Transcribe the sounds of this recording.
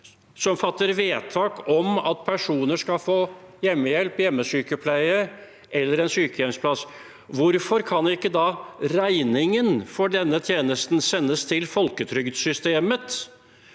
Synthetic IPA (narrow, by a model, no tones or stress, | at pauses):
sɔmfɑt̪ːəɾʋeːt̪ʰɑːkɔmɑt̪̚pʰæʂuːnəʂkɑfoːjɛmːəjɛlpjɛmːəsyːkəpʰlæɪə | ʔɛlːəɾɛnsyːkəjɛmspʰlɑs | ʋʊɾfɔɾkʰɑnɪkːəd̪ɑɾæɪnɪŋənfɔɖɛnːət̪ʰjeːnəst̪n̩sɛnːəst̪ʰɪlfɔlkət̪ʰɾʏɡd̪sʏst̪eːmət̪